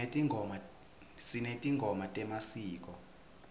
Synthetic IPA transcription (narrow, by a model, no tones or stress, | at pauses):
tʼiŋɔma | sinetʼiŋɡʱɔmatʼɛmasiːk̬ʼɔ